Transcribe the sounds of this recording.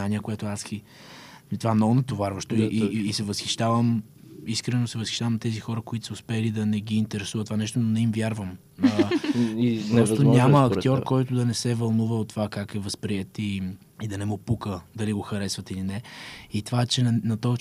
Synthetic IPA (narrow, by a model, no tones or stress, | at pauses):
aniəkoɛt̪ʊaski | t̪ovaɛmnɔɡʊnɐt̪ovaɾvəʃt̪oiiːsɛvəsxiʃt̪avəm | iskɾɛnosɛvəsxʲiʃt̪avəmt̪ɛzixɔɾəkoit̪ʊ̥səʊspɛlid̪ɐnɛɡiːnt̪ɛɾɛsuvət̪ovanɛʃt̪ononɛimvʲjaɾvəm | iɔst̪oɲʲaməːkktt̪jɔɾkɔjt̪ʊd̪ɐnɛsɛvɐlˠnuvəot̪ːovakakɛvəspɾiɛt̪i | id̪ɐnɛmopukəd̪ɐliɡoxɐɾɛsvɐt̪ilinɛit̪ovaɛt͡ʃɛnɐt̪ɔ